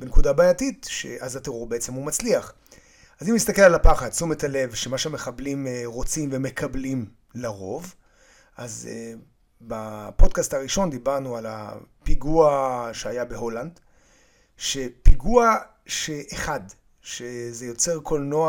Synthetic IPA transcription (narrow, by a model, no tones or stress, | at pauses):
benekudabaːjatitʃḛʔazateʁuʁbeet͡semhumat͡sliaχ | azimist̪akelalapaχadt͡sumetʰale̞vʃemaʃeame̞χablimʁo̞t͡simve̞mekʰablim | laʁo̞v | ʔaze | bapo̞dkastaʁiʃo̞nd̪ibaʁnuala̰piɡuaʃeajabeho̞land | ʃe̞piɡua | ʃe̞ʔeχad | ʃeze̞jo̞t͡se̞ʁkʰo̞lnoa